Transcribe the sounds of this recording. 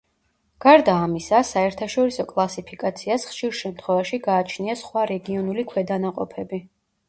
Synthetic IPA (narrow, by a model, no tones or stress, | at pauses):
ɡ̥aɾd̪aːmisasaɛɾt̪ʰaʃɔɾisɔkʼlˠasipʰikʼat̪sʰiasχʃiɾʃɛmt̪ʰχwɛvaʃiɡaːt͡ʃʰniasχwaɾɛɡiɔnulikʰwɛd̪anaqʼɔpʰɛbi